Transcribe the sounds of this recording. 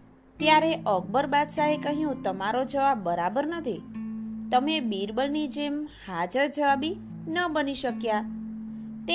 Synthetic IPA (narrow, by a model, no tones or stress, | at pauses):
t̪jaɾeʔəɡ̚bəɾbad̪saɦekəɦijũt̪əmaɾod͡ʒəʋabːəɾabəɾnət̪ʰit̪əmebiɾbəlnid͡ʒemhad͡ʒəɾd͡ʒəʋabi | nəbəniʃəkja | t̪e